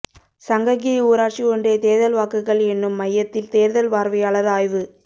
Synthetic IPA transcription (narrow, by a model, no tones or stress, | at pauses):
sɐŋɡɐɣiuːɾaːʈt͡ʃiɔɳɖeːt̪eːɾðɐlʋaːkɯɣɐɭɛnːɯmːɐjːɐt̪ːɪlt̪eːɾðɐlʋaːɾʋɐɪɐɭɐðaːjʋɯ